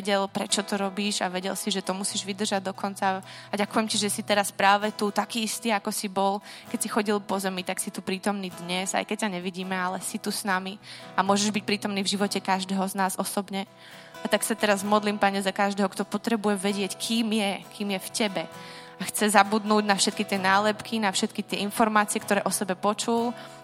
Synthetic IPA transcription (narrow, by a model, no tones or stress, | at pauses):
ʋɛɟɛlpɾɛt͡ʃɔt̪ɔɾɔbiːʃaʋɛɟɛ̰lsiʒɛt̪ɔmusiːʒʋid̪r̩ʒaɟ̚d̪ɔkɔnt͡saaɟakujɛmciʒɛsit̪ɛɾaspɾaːʋɛt̪ut̪akiːist̪iːakɔsibɔlkɛcsixɔɟilpɔzɛmit̪aksit̪upɾiːt̪ɔmniːd̪ɲɛza̰jkɛc̚saɲɛʋiɟiːmɛalɛsit̪usnamiamʊɔʒɛʒbic̚pɾiːt̪ɔmniːvʒiʋɔcɛkaʒd̪ɛːɦɔznaːzɔsɔbɲɛ | at̪aksat̪ɛɾazmɔd̪limpaɲɛzakaʒd̪ɛːɦɔkt̪ɔpɔt̪ɾɛbujɛʋɛɟɪɛckʰiːmjɛkiːmjɛfcɛbɛ | axt͡sɛzabud̪nuːɟnafʃɛt̪̚kit̪ɪɛnaːlɛpkʰinafʃɛt̪kit̪ɪɛinfɔɾmaːt͡siɪɛkt̪ɔɾɛːʔɔsɛbɛpɔt͡ʃul